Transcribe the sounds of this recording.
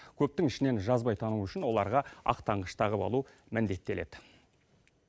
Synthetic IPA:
kʲʰɵp̚t̪ɪŋɪʃɪne̞nʒɑzbɑjt̪ʰɑnuʏʃɪnwo̞lˠɑɾʁɑɑ̰qt̪ʰɑɴʁəʃt̪ʰɑʁəpɑ̰lˠu | mɪnd̪e̞t̪ːe̞le̞d̪ɪ

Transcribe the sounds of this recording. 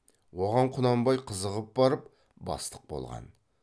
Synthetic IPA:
wo̞ʁɑɴqʰʊnɑmbɑjqʰəzəʁəp̚bɑɾəp̚ | bɑ̰st̪ə̥q̚bo̞̰lˠʁɑ̰n

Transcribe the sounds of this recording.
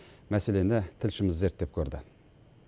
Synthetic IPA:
mæse̞le̞nɪt̪ʰɪlʃɪmɪzːe̞ɾt̪̚d̪e̞p̚kʲʰɵɾd̪ɪ

